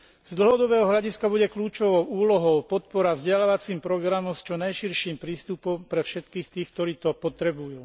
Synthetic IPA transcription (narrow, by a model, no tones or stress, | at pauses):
z̥d̪l̩ɦɔd̪ɔbɛːɦɔɦʎaɟiskabuɟɛkʎuːt͡ʃɔʋɔʊuːlɔɦɔʊpɔt̪̚pɔɾavzɟɛlaʋat͡siːmpɾɔɡɾamɔmst͡ʃɔnajʃiɾʃiːmpɾiːst̪upɔmpɾɛfʃɛt̪kiːxt̪iːxk̚t̪ɔɾiːt̪ɔpɔt̪ɾɛbujuː